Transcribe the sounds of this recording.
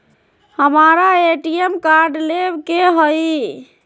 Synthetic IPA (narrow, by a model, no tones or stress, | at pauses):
həmaɾaeʈiemkaɾɖlebkeɦəj